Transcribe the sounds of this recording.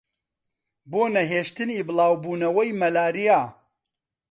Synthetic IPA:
boːnɐɦeːʃt̪ɨnibɨlˠaːwbuːnɐwɐjmɐlaːɾijaː

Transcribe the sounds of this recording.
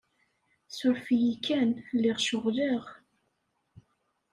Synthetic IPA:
sʊɾfijikːænlːɪʁʃʊʁliʁ

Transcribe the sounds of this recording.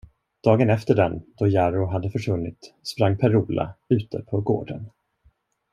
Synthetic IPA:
d̪̥ɑːɡənɛft̪əɖɛnd̪̥ɔjaɾʊɦad̪ːəfœʂvɵnːɪ̰t̪spɾaŋːpʰɛɾuːlʔa̰ʉ̟ːt̪ə̰pʰɔɡo̰ːɖə̰n

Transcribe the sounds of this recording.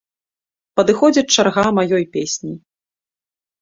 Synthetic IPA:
pɐd̪ɨxɔd͡zʲɐt͡ʂarɣamajɔjpʲesʲnʲi

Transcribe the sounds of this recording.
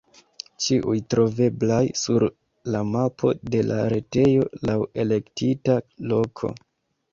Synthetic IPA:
t͡ʃiʔujtɾo̞ve̞blajsuɾ | lamapʰo̞̰de̞la̰ɾe̞te̞jo̞̰lawe̞le̞ktʰitalo̞kʰo̰

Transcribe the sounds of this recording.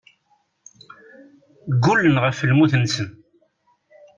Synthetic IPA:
ɡulːənʁəfːəlmuθənsən

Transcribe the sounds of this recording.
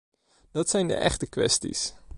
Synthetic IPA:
d̥ɑtsɛjndə̰ʔɛ̰χtəkʋɛ̰stḭs

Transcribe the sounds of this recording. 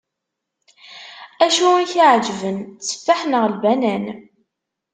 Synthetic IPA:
æʃunçiʕd͡ʒvənt͡sːə̥fːaħnəʁlbænæn

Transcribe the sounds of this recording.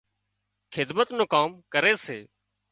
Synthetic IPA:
kʰɪd̪mət̪nõːkaːmkəɾeːseː

